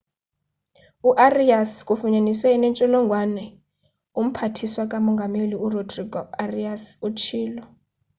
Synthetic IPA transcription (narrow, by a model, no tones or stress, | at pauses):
uʔariaskʼufuɲaniswɛnɛnt͡ʃʼɔlɔŋɡʱwanɛ | um̩pʰatʰiswakʼamɔŋɡʱameliurodriɡɔariasut͡ʃʰiːlɔ